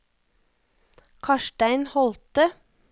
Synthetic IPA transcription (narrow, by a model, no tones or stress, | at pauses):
kʰɑʃʈæɪnhɔlt̪ə